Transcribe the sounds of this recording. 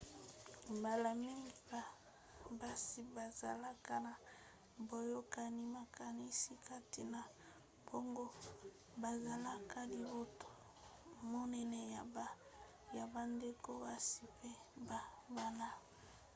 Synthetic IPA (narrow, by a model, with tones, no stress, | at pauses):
mba˨la˨mi˦ŋɡi˨˦ba˨ | ba˦si˨ba˨za˨la˦ka˦na˨ | bo˨jo˦ka˨ni˦ma˨ka˨ni˦si˦kʰa˦ti˨na˨ | bo˦ŋɡo˦ | ba˨za˨la˦ka˦li˨bo˦to̥˦ | mo˦nɛ˨nɛ˨ja˨b | ja˨ba˨nde˦ko˦ba˦si˨pe˦ba˨ba˨na˦